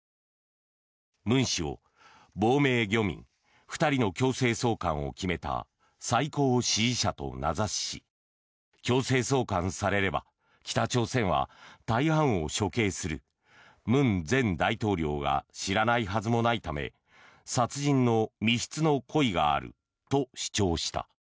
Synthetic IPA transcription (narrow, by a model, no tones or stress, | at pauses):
mɯ̟̃ɰ̃ɕio̞̰ | bo̞ːme̞ːɡʲo̞mʲḭ̃ŋ | ɸɯ̟̥t̪aɾʲino̞kʲo̞ːse̞ːso̞ːkãɰ̃o̞̰kʲime̞t̪a̰ | saiko̞ːɕiɕat̪o̞̰nazaɕi̥ | kʲo̞ːse̞ːso̞ːkãñsaɾe̞ɾe̞ba̰ | kʲi̥t̪at͡ɕo̞ːsẽ̞ɰ̃βa̰t̪aihãɰ̃o̞ɕo̞ke̞ːsɨɾɯ̟ | mɯ̟̃nd͡zẽ̞nd̪ait̪o̞ːɾʲo̞ːɡa̰ɕiɾanaiɦazɨmo̞nait̪ame̞̰ | sat͡sɨʑĩnːo̞mʲiɕi̥t͡sɨno̞kʰo̞iɡa̰ːɾɯ̟̰ | t̪o̞ɕi̥t͡ɕo̞ːɕi̥t̪a̰